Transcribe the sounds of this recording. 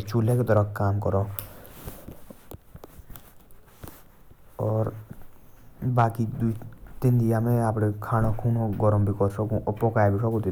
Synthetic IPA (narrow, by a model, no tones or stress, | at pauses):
t͡ʃulẽket̪ɔɾəkkaːmkɔɾõ | ɔːɾ | baːkid̪uit̪ɪnd̪ɪjamẽaːpɽekʰaːñokʰuːnõɡɔɾəmbʱikɔɾsɔkũʔɔpɔːkaːebʱisʰɔkũt̪i